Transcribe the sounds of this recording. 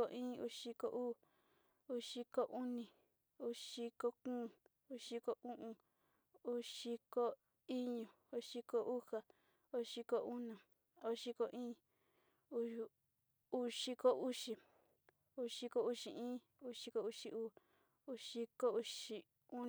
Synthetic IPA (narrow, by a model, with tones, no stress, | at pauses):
o˧ʔĩː˦ṵ˧ʃi˧ko˧ʔuː˦˨ | u˦ʃi˧ko˧ʔu˦nĩ˧ | u˧ʃi˧ko˦kũː˦˨ | u˧˦ʃi˧ko˧ʔũ˦ʔũ˧ | u˦ʃi˧ko˦ | i˦ɲũ˨ | u˧ʃi˧ko˧ʔu˦ha˨ | o˧˦ʃi˧ko˧ʔu˦nã˨ | o˧ʃi˧ko˧ʔĩː˦ | u˧˦˧ | u˧ʃi˧ko˦u˦ʃi˧ | u˧ʂi˧ko˧u˦ʃi˨ĩː˦ | u˦ʂi˧ko˧u˧ʃi˧ʔuː˦ | u˧ʃi˧ko˦u˧ʃi˧ | u˦